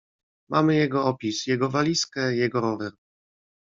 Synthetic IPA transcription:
mʔamɘjɛɡɔɔpʲisjɛɡɔvalʲiskɛjɛɡɔɾɔvɛɾ

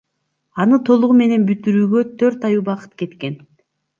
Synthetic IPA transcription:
ɑnɯt̪ʰo̞lˠuʁume̞ne̞nbyt̪yɾyːɡø̞t̪ʰø̞ɾt̪ɑjuːbɑqɯ̥t̪ke̞t̪ke̞n

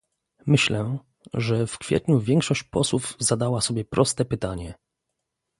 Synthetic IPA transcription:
mɘɕlɛ | ʐɛfkfʲjɛ̰t̪ɲuvʲjɛŋkʂɔɕt͡ɕpɔswuvzad̪awasɔbʲjɛpɾɔst̪ɛpɘt̪aɲɛ

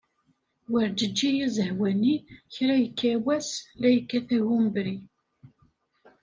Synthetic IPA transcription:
wəɾd͡ʒəd͡ʒːijizəhwæniçɾæjəkːæwæslæjəkːæθæʝumbɾi

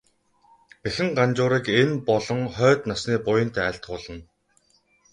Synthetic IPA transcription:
pexɘ̆ŋɢant͡ɕʊːɾiːkenpɔɮɞ̆ŋχœːt̪nasniːpʊjə̆nt̪æːɬt̪̚ɢʊːɮə̆n

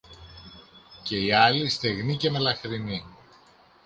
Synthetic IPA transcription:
ce̞iɐlist̪e̞ɣnice̞me̞lɐxɾini

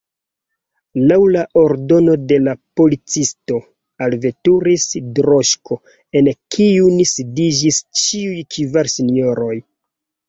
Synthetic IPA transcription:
lawlaʔoɾdo̞no̞de̞lapo̞lit͡sisto̞ | alve̞tuɾisdɾoʃkʰo̞ | e̞nkʰiunisidid͡ʒist͡ʃiujkʰivaɾsinoɾo̞j

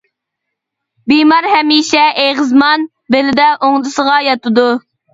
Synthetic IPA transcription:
bimɑɾhɛmiʃɛʔeʁəzmɑn | belɪd̪ɛʔoŋd̪ɨsəʁɑjɑt̪ɨd̪u

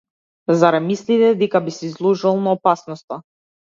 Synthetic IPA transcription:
zaɾɛmislit̪ɛd̪ɛkabisizlˠuʒalˠnaɔpasnɔst̪a

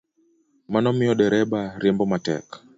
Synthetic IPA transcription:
manɔmiɔɗɛɾɛɓaɾɛmbɔmatɛ̰kḁ

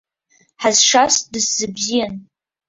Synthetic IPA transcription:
ħazʂasdɨsz̥ɨbzijan

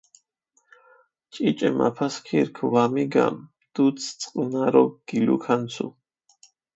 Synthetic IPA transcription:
t͡ʃʼit͡ʃʼɛma̰pʰaskʰiɾkʰvamiɡa̰m | d̪̥ut̪sʰt̪sʼqʼnaɾɔɡ̥ilṵkʰansʰṵ

